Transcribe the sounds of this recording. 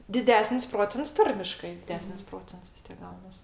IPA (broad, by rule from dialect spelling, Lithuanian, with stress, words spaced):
dʲɪˈdʲæːsʲnʲɪs ˈproːt͡sʲɛnts ˈtɐrʲmʲɪʃkɐɪ dʲɪˈdʲæːsʲnʲɪs ˈproːt͡sʲɛnts ʋʲɪs ˈtʲiɛk ˈɡɐʊnɐs